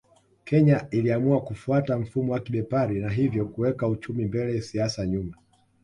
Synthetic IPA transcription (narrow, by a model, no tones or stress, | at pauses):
kʰɛɲailiamuakufuatam̩fumɔwakiɓɛpaɾinaɦivjɔkuwɛkaut͡ʃumimbɛlɛsiasaɲuma